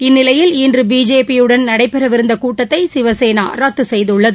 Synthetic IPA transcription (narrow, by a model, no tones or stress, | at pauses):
ɪnːɪlɐjɪliːndrɯbiːd͡ʒeːpijɯɽɐnnɐɽɐɪpːɛɾɐʋɪɾɯnd̪ɐkuːʈːɐt̪ːɐɪsɪʋɐseːna̰ːɾɐt̪ːɯsɛjðɯɭːɐðɯ